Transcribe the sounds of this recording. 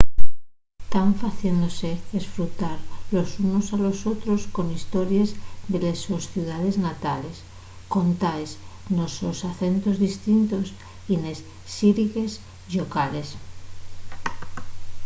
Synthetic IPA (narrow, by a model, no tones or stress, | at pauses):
t̪aɱfaθje̞nd̪o̞se̞ðesfɾut̪aɾlo̞suno̞salo̞so̞t̪ɾo̞sko̞nist̪o̞ɾjezðelesosθjuðað̞e̞znat̪ale̞s | ko̞nt̪aesnoso̞saθe̞nt̪o̞zðist̪int̪o̞s | ine̞sː | iɾiɣe̞s | ʎokale̞s